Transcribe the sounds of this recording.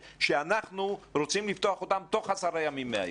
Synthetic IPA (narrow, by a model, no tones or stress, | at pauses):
ʃeanaχnuɾot͡simlift̪oaχo̞t̪amt̪o̞χasaɾajamimːea̰j